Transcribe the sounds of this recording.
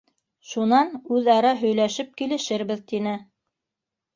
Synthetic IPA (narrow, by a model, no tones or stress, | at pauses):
ʃunɑnʉðɑɾɑɦɵ̆jlæʃɘp̚kilɘ̆ʃɘɾβɘðt̪inɘ